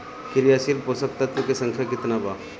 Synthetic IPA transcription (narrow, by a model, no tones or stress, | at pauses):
kɪɾijaːsilposək̚t̪ɐt̪ʋəkesɐ̃ŋkʰjakɪt̪nabʱaː